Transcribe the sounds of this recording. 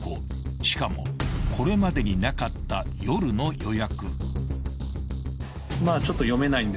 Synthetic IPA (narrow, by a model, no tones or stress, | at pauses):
ko | ɕi̥kamo̞̰kʰo̞ɾe̞mad̪e̞ɲ̟inakat̪ːajo̞ɾɯ̟no̞jo̞jakɯ̟̰ | maːt͡ɕo̞t̪ːo̞jo̞me̞naĩnd̪e